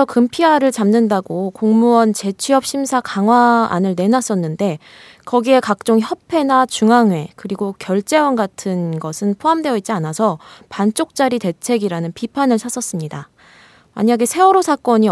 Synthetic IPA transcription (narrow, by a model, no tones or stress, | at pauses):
ʌkɯmpʰiaɾɯɭt͡ɕamnɯndaɡokoŋmuwʌnt͡ɕe̞t͡ɕʰɥiʌp̚ɕ͈ʰimsʰakaŋɦwaa̰nɯɭne̞nas͈ʌnːɯnde̞ | kʌɡie̞kak̚t͡ɕ͈oŋçʌpʰe̞nat͡ɕuŋaŋwe̞kɯɾiɡokjʌɭt͡ɕ͈e̞wʌnɡatʰɯnɡʌsʰɯnpʰoɦamdwe̞ʌit̚t͡ɕ͈ianasʰʌpant͡ɕ͈ok̚t͡ɕ͈aɾite̞t͡ɕʰe̞ɡiɾanɯnpipʰanɯɭsʰas͈ʌs͈ɯmɲida | ma̰ɲaɡe̞sʰe̞ʌɾosʰak͈ʌɲi